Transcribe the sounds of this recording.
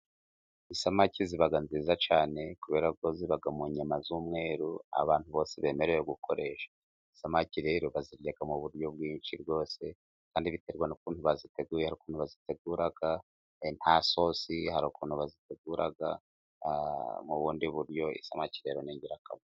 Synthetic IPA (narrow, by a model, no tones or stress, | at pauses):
isamaciziβaɡanziːzat͡ʃaːne̞kuβe̞ːɾakoziβaɡamuɲamazumŋe̞ːɾua̰βaːnhuβo̞ːseβe̞ːme̞ɾejoɡukʰo̞ɾe̞ʃḁ | isamaciɾe̞ɾoβaziɾjaɡamuβuɾjo̞b̚ɡwiːnʃiɾɡo̞ːse̞ | kaːndiβite̞ɾɡwanukuːnhuβazite̞ɡuːjehaɾikuːn̥huβazite̞ɡuːɾaɡ̥a | n̥haso̞sihaɾukuːnhuβazite̞ɡuːɾaɡa | muβuːndiβuɾjo̞ḭsamaciɾe̞ɾoneɲɟiɾakamo